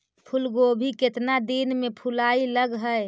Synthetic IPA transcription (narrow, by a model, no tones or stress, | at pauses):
pʰulɡobʱiket̪nad̪inmepʰulailəɡɦə